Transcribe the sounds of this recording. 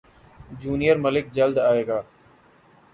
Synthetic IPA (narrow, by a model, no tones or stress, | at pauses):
d͡ʒuːnijəɾməlɪk̚d͡ʒəld̪aːeːɡaː